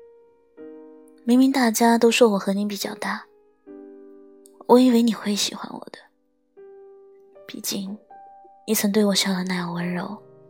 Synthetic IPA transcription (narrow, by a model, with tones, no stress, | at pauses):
mi˧˥ŋmi˧˥ŋt̪a˥˩t͡ɕja˥t̪o˥ʊʂwɔ˥˩wɔ˨˩xɤ˧˥ni˧˥p̬i˨˩t͡ɕjɑ̰˥˧ʊt̪a˥˩ | wʔɔ˨˩˦i˥˩we˥ɪni˨˩xwe˥˩ɪɕḭ˨˩xwa̰˧˥nwɔ̰˨˩d̪̥ə̥˦ | pḭ˨˩t͡ɕi˥˩ŋni˧˥˩t͡sʰə˧˥ŋt̪we˥˩ɪwɔ˨˩ɕjɑ˥˩d̪ə˨˩na˥˩jwə˧˥nɻo˧˥ʊ